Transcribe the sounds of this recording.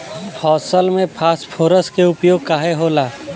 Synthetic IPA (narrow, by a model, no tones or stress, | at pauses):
hʰɔːsəlmẽpʰaːspʰoːɾəskeʊpjoːɡ̚kaːɦeɦoːlaː